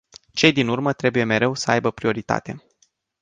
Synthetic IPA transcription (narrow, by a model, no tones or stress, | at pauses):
t͡ʃe̞jd̪inurmət̪ɾe̞buje̞me̞ɾe̞wsəajbəpɾio̞ɾit̪a̰t̪e̞